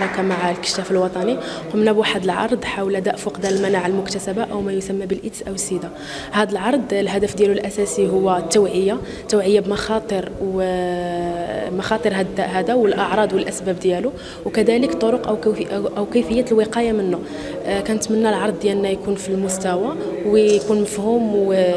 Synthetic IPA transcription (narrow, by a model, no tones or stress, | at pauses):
ɾˤɑkamaʕalkə̥ʃːæfəlwɑt̪ˤɑniqʊmnæbwaħəd̪əlʕɑ̰ɾˤd̪ˤħawlæd̪æʔfʊqd̪æləlmænaʕəlmʊkt̪æsæbaʔəwmæjʊsæmːæbəlʔət̪sʔæwsid̪a | hæd̪əlʕɑɾˤd̪ˤlɦæd̪əfd̪jælulʔæsæsiɦʊwːæt̪ːæwʕəjːa | t̪ːæwʕəjːabmɑxɑt̪ˤəɾw | mɑxɑt̪ˤəɾɦæd̪æʔɦæd̪awəlʔɑʕɾˤɑd̪ˤwəlʔæsbæb̚d̪jælu | wkæd̪æləkt̪ˤoɾʊqʔəwkʔæwkəjfəjːæt̪əlwiqɑjamənːu | kænət̪mənːælʕɑɾˤd̪̚ˤːjælnːæjkunfilmʊst̪æwawjkunməfhum